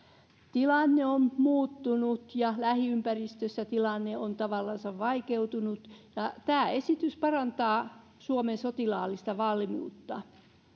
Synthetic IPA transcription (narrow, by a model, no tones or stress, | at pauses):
t̪ilɑnːeommuːt̪ːunut̪jɑlæhiympærist̪øsːæt̪ilɑnːeont̪ɑʋɑlːɑnsɑʋʋɑikeut̪unut̪jɑt̪æːesit̪yspɑrɑnt̪ɑː | suomensot̪ilɑːlist̪ɑʋɑlːimṵːt̪ːɑ